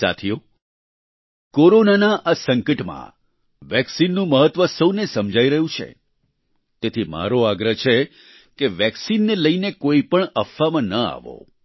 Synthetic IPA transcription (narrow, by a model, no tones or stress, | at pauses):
sa̰t̪ʰijo | koɾonanaʔasəŋkəʈmã̰ | ʋɛksinːũməɦət̪ʋəsəwnesəmd͡ʒʱaiɾəɦũt͡ʃʰḛ | t̪et̪ʰima̰ɾoaɡɾəɦt͡ʃʰe | keʋɛksinːeləinekoipəɳəfːamãnəa̰ʋo̰